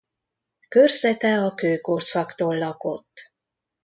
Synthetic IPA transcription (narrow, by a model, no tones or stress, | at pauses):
kørsɛt̪ɛɒkøːkorsɒkt̪oːlːɒko̞̰t̪ː